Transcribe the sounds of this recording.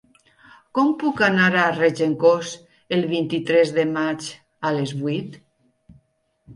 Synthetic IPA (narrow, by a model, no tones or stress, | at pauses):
kɔmpukanaɾared͡ʒeŋkos | elˠβint̪it̪ɾɛzðemat͡ʃ | alezβuit̪